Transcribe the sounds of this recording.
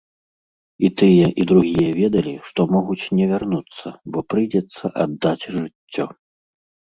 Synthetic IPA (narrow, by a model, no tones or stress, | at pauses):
it̪ɨjɛʔid̪ɾuɣʲijɐvʲɛd̪ɐlʲiʂt̪ɔmɔɣut͡sʲnʲɛvʲarnut̪sːɐbɔpɾɨjd͡zʲɛt̪sːɐʔad̪ːat͡sʲʐɨt͡sʲːɔ